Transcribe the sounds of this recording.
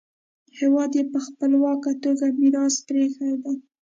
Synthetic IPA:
hewɑd̪jepəxpəlwɑkat̪oɡamiɾɑspɾexad̪a

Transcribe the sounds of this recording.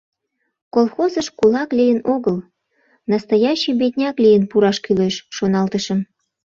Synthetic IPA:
kolˠxozəʃkulɑklʲijənoɣəl | nɑst̪ɑjɑɕijbet̪̚ʲnʲɑklʲijənpuɾɑʃkyleʃːonɑlt̪əʃəm

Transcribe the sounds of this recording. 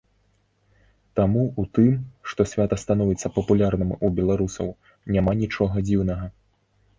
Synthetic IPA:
t̪amuut̪ɨmʂt̪ɔsʲvʲat̪ɐst̪anuvʲɛt̪sːɐpɐpulʲarnɨmubʲɛlˠaɾusɐ̰w | nʲamanʲit͡ʂɔɣɐd͡zʲiwnɐɣɐ

